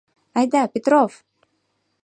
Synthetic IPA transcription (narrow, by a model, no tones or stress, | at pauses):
ajd̪apʲɪt̪ɾof